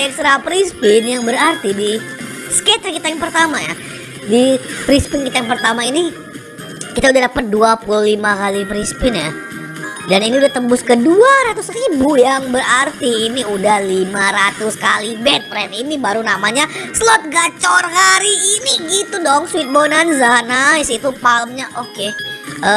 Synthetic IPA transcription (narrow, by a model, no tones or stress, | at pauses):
ɛksɾapɾispɪnjaŋbəɾart̪idi | skɛt̪jakit̪ajaŋpərt̪amaja̰ | dipɾispɪnkit̪ajaŋpərt̪amaini | kit̪audadapət̪̚duapululimakalipɾispɪnja | daniniudaht̪əmbʊskəduaɾat̪ʊskaibujaŋbəɾart̪iːniudahlimaɾat̪uskalibɛt̪̚pɾɛninibaɾunamaɲasəlɔt̪̚ɡat͡ʃɔrhaɾiːniɡit̪udɔŋswɪt̪̚bonanzanaɪsit̪upaləmɲaʔokeə